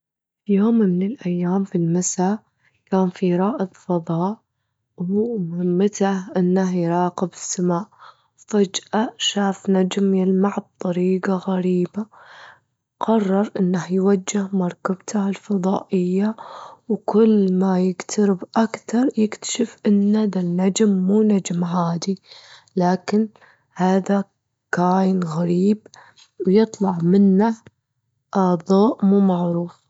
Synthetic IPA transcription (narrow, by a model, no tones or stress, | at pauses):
fjoːmmɪnɪlʔajːaːmfilmasa | kaːnfiɾˤɑːʔɨðˤfɑðˤɑːʔ | wmʊhɪmːat̪ahʔɪnːaɦjɾˤɑːqɪbɪsːamaːʔ | fad͡ʒʔaʃaːfnad͡ʒmjɪlmaʕb̚t̪ˤːɑɾiːɡaɣaɾiːba | qɑrˤːɑɾˤʔɪnːahjwad͡ʒːɪhmɑɾˤkabt̪ʰahalfɑðˤɑ̰ːʔɪjːawkʊlːmajɪɡt̪ʰaɾɪbʔakt̪ɑɾˤjɪkt̪ḁʃɪfʔɪnːaðanːad͡ʒmːuːnad͡ʒmɦaːd̪i | laːkɪn | haːða | kaːjɪnɣaɾiːb | wjɨt̪ˤlɑʕmɪnːa | ʔɑðˤɑːʔmuːmɑʕɾuːf